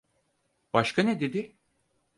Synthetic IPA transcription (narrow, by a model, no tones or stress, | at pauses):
b̥aʃkʰanɛd̪ed̪ɪ